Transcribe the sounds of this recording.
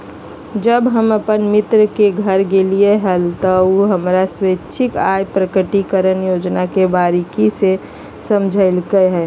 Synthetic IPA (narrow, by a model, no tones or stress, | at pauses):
d͡ʒəbɦəməpənmɪt̪ɾəkeɡʱəɾɡelieɦəlt̪ɔuɦəmɾaswetːʃʰɪkajpɾəkəʈikəɾənjoːd͡ʒnakebaːɾikise | səmd͡ʒʱəlkəɦɛː